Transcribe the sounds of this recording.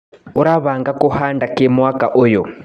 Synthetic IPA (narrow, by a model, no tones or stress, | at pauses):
uɾaβaŋɡakuhandakemwakaʔojo